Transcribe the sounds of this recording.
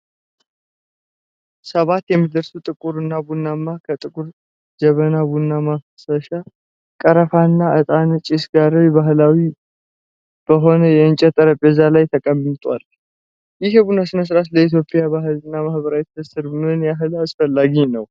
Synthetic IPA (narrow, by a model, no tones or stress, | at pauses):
səβat̪jɛmːid̪əɾsut̪ʼɨkʼuɾɨnːabunːamːakʰət̪ʼɨkʼuɾ | d͡ʒəβənabunːamafsəʃa | kʼəɾəfanːaʔət̪ʼant͡ʃʼisɡaɾwbaɦlawi | b̥əɦo̞nəjɛɨnt͡ʃʼɛt̪ʼəɾəbɛzalajt̪ʰəkʼəmɨt̪ʼwa̰l | jɪhjɛbunasɨnəs̬ɨɾat̪ləit̪̬jo̞pʼjabaɦɨlɨnːamahbəɾawɛt̪əsɨɾbɨnɨnjaɦɨlasfəlːaɡinəw